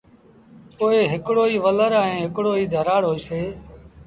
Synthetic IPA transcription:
poːeːɦɪkɽoːiːʋələɾaːẽːɦɪkɽoːiːd̪ʱəɾaːɽɦoːiːseː

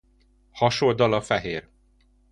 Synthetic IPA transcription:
hɒʃold̪ɒlɒfɛɦeːr

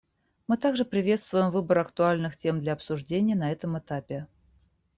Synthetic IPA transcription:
mɨt̪aɡʐɨpɾʲɪvʲet̪st̪vʊjɪmvɨbəɾɐkt̪ʊalʲnɨxtʲe̞md̪lʲɐɐpsʊʐdʲenʲɪjənɐɛt̪əmɨt̪apʲɪ

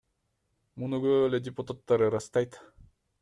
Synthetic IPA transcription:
munuɡøledʲɪput̪at̪ːɑɾɯɾɑst̪ɑjt̪

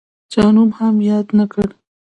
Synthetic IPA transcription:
d͡ʒɑːnubhamjɑːd̪nakəɽ

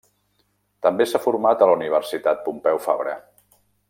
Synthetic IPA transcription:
t̪əmbesafuɾmat̪əluniβ̞əɾsit̪at̪̚pumpɛwfa̰βɾə̰

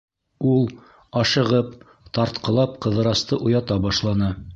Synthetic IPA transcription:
ulˠ | ɑʃɤ̆ʁɤp̚ | t̪ɑɾt̪qɤ̆lˠɑpqɤ̆ðɤ̆ɾɑst̪ɤʔujɑt̪ɑbɑʃlˠɑnɤ

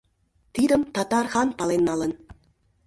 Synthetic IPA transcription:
t̪id̪ə̆mt̪ɑt̪ɑrxɑnpɑlˠenːɑlə̆n

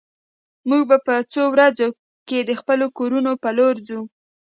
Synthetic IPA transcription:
muɡ̚bapət͡sowɾazo | ked̪əxpəlokoɾunopaloɾzu

